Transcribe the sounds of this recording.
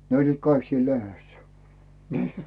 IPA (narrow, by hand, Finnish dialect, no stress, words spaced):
ne olʲliːt kɑik siːl lehesːæ̥ nə